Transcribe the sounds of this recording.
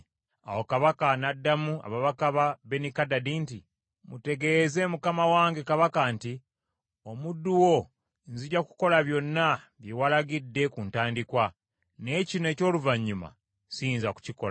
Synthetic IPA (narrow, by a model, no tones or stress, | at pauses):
a̰wokaβakanadːamua̰βaβakaβabe̞nikadadiːnti | mute̞ɡe̞ze̞mukamawaːŋɡe̞kaβakanti | o̞mudːuwo̞ | nziɟaku̥ko̞laβjo̞nːa | βjewalaɡidːe̞kuntaːndikwa | ne̞ːcine̞ːco̞ːluvaɲːuma̰ | siːnzaku̥cikola